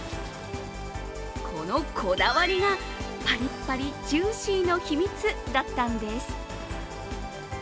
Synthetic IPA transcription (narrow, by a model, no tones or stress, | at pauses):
kʰo̞no̞kʰo̞d̪aβaɾʲiɡa | paɾʲipːaɾʲid͡ʑɨ̃ːɕĩno̞çimʲit͡sɨd̪at̪ːand̪e̞sɨ̥